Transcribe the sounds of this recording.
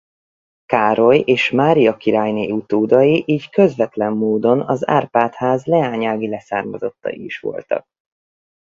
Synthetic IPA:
kaːɾo̞jeːʃmaːɾijɒkiɾaːjneːut̪oːd̪ɒjiʔiːɟkø̞zvɛt̪lɛmːoːd̪o̞nɒza̰ːrpaːt̪haːzlɛaːɲaːɡilɛsaːrmɒzo̞̰t̪ːɒ̰jḭiʃʋo̞̰lt̪ɒ̰k̚

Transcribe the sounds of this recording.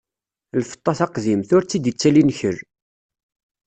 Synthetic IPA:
lfə̥t̪ˤːɑθɑqðimθʊɾt͡sːid̪ət͡sːælinçəɾ

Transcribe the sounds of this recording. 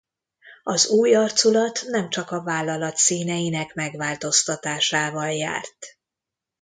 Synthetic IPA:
ɒzuːjɒrt̪sulɒt̪nɛmt͡ʃɒkɒvaːlːɒlɒt̪siːnɛjinɛkmɛɡvaːlt̪o̞st̪ɒt̪aːʃaːvɒlja̰ːrt̪

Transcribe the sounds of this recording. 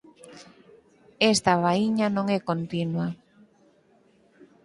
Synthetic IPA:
est̪aβaiɲanõŋɛkont̪inwa

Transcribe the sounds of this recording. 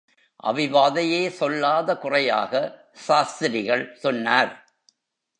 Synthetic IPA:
ʔɐ̰ʋɪʋaːðɐjeːsɔlːaːðɐkʊrɐja̰ːɣɐ | ʃaːst̪ɪɾɪɣɐɭsɔnːaːɾ

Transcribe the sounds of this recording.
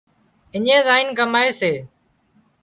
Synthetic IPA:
ɪɲẽːzaːinkəmaːeːseː

